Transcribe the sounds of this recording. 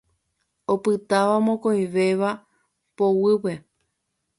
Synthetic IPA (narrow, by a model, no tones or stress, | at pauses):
opɨt̪aʋamõkõĩʋe̞ʋa | powɨpe̞